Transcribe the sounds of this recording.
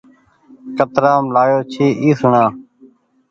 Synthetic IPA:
kət̪ɾaːmlaːjoːt͡ʃʰiːʔiːsʊɳãː

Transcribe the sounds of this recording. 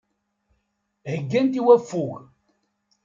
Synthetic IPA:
həɡːænt̪iwæfːuɣ

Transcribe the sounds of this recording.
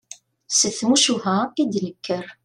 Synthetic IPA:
səθmuʃuɦæid̪ləkːəɾ

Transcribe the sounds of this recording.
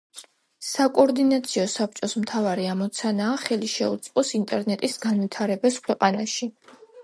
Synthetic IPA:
sakʼɔɾd̪inat̪sʰiɔsap̚t͡ʃʼɔsmt̪ʰavaɾiamɔt̪sʰanaːχɛliʃɛṵt̪sʼqʼɔsint̪ʼɛɾnɛt̪ʼisɡanvit̪ʰaɾɛbaskʰwɛqʼanaʃi

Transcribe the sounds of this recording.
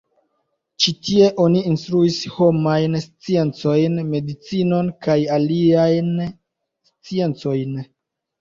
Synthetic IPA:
t͡ʃitie̞ʔo̞niinstɾuisho̞majnst͡sie̞nt͡so̞jnme̞dit͡sino̞nkajaliajn | st͡sie̞nt͡so̞jn

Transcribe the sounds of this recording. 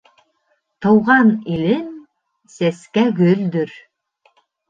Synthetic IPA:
t̪ɤ̆wʁɑnilin | seskæɡøld̪yɾ

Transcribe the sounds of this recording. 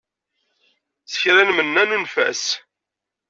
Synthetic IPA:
θə̥çɾænmənːænunfæ̰s

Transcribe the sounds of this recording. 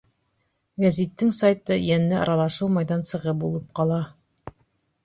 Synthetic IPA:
ɡæzit̪ːɘŋsajt̪ɤjænːɘʔɑ̰ɾɑlˠɑʃɤlˠmɑjðɑnsɤ̆ʁɤp̚bulˠɤp̚qɑlˠɑ

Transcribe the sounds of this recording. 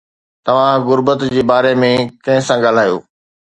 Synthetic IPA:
t̪ɐʋ̤ãɣʊɾbət̪d͡ʑeːbaːɾemẽkɐ̃ɦɪ̃sãɡaːl̤aːjo̰ː

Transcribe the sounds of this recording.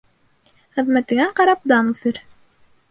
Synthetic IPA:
χɘ̆ðmæt̪ɘ̆ŋɡæɴqɑɾɑp̚d̪ɑnʉθɘɾ

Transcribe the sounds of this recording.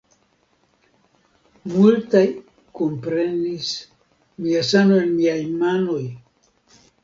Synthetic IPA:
multaj | kompɾe̞nis | miasanoenmiajmanoj

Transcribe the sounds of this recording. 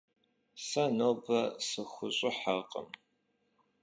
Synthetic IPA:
sɐnoːbɐsɨxʷʊɕʼɪħaqʼə̰m

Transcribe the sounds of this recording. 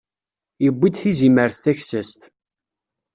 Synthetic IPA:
jəbʷːid̪θiziməɾθθæçsəst̪

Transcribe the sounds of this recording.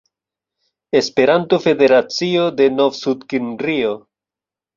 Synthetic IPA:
e̞spe̞ɾant̪ofe̞de̞ɾat͡sio̞d̪e̞novsud̪kinrio

